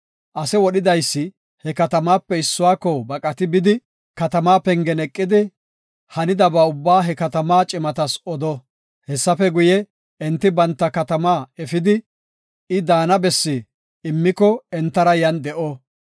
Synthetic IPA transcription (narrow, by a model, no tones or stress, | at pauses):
ʔɐsɛwɔɗɪd̪ɐjsːɪ | hɛkɐt̪ɐmaːpːɛɪsːʊwaːkːɔbɐkʼɐt̪ɪbɪd̪ɪ | kɐt̪ɐmaːpɛŋɡɛnɛkʼːɪd̪ɪ | hɐnɪd̪ɐbaʊbːaːɦɛkɐt̪ɐmaːt͡ʃʼɪmɐt̪ɐsɔd̪ɔ | hɛsːɐfɛɡʊjɛ | ɛnt̪ːɪbɐnt̪ːɐkɐt̪ɐmaːɛfɪd̪ɪ | ɪd̪aːnɐbɛsːɪ | ɪmːɪkɔɛnt̪ːɐɾɐjɐnd̪ɛʔɔ